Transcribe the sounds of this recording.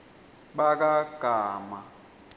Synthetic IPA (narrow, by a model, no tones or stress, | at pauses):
ɓak̬aɡ̥ʱaːma